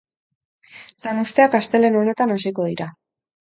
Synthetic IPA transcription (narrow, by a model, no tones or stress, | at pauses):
lanust̪e̞akast̪e̞le̞no̞ne̞t̪anasiko̞ð̞iɾa